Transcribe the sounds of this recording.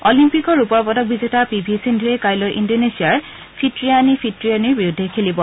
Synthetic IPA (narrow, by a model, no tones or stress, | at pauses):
ɔlimpikɔɹupɔɹpɔtɔk̚bizetapibʱisindʱuɛkajlojʔindonesiaɹ | pʰitɹianipʰitɹianiɹbiudʱːekʰelibɔ